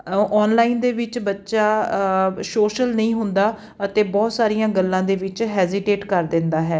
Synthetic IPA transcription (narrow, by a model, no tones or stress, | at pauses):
ɔːnlaːind̪eːʋɪt͡ʃbətːʃaː | soːʃəlnəĩːɦʊnd̪aː | ət̪eːbɔːt̪saːɾijãːɡəlːãːd̪eːʋɪt͡ʃɦɛːzɪʈeːʈkəɾd̪ɪnd̪aːɦɛː